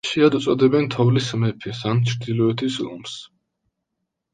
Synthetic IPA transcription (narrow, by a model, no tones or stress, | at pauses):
ʃiad̪ut̪sʼɔd̪ɛbɛnt̪ʰɔvlismɛpʰisant͡ʃʰɾd̪ilɔɛt̪ʰisɔ̰ms